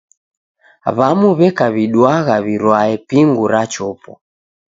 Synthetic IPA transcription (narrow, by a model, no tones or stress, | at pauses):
βamuβɛkaβiɗwaɣaβiɾwaɛpiŋɡuɾat͡ʃɔpɔ̰